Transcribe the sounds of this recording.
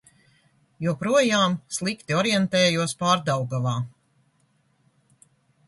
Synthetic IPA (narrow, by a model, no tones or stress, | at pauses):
juɔpɾuɔjaːmslˠikt̪iɔɾjɛnt̪ɛːjuɔspaːɾd̪awɡavaː